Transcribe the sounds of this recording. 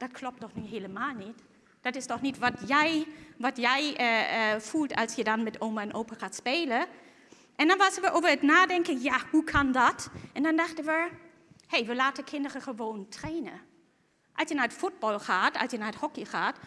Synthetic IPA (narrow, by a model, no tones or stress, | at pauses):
d̥ɑtkʰlɔp̚tɔχnyɦeːləmaːlˠnit | d̥ɑtɪstɔχnitʋɑtjɛjʋɑtjɛjəfulˠtʰɑlˠsjədɑnmɛtoːməɛnʔowpəχaːtspeːlə | ʔɛndɑnʋɑsənʋəʔowvəɹətnaːdɛŋkənjaːhukʰɑndɑtʔɛndɑndɑχdənʋə | hejʋəlaːtəkʰɪndərəχəʋoːntreːnə̰ | ʔɑlˠsjənaːɹətfud̚bɑlˠχaːtɑ̰lˠsjənaːəthɔkiχaːt